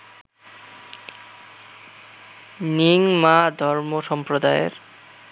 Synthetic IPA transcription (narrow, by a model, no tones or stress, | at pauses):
niŋmad̪ʱɔɾmoʃɔmpɾod̪ajḛɾ